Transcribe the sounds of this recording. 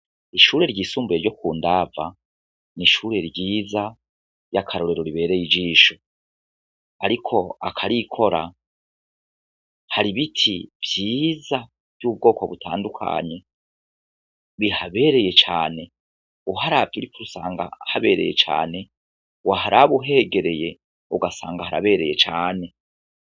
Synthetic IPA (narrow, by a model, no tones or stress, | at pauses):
iʃuːɾe̞ɾɟiːsuːmbujeɾjo̞kuːndava | niʃuɾe̞ɾɟiːza | jakʰaɾo̞ɾe̞ɾo̞ɾiβe̞ːɾe̞jid͡ʒiːʃo | aɾikʰo̞akʰaɾikʰo̞ɾa | haɾiβitʰivjiːza | v̥jub̚ɡo̞ːkoβutʰa̰ːndukʰa̰ɲe̞ | βihaβe̞ːɾe̞je̞t͡ʃa̰ːne̞ | uɦaɾaːβ̚ɡiɾikuɾusa̰ːŋɡa̰haβe̞̰ːɾe̞̰je̞̰t͡ʃa̰ːne̞ | waɦaɾaβuɦe̞ɡe̞ɾe̞je̞ | uɡasaːŋɡahaɾa̰βe̞ːɾe̞je̞t͡ʃaːne̞